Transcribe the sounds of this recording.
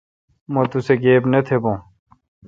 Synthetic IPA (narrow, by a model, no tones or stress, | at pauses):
mɐt̪useɡeːbnɐt̪ʰebõː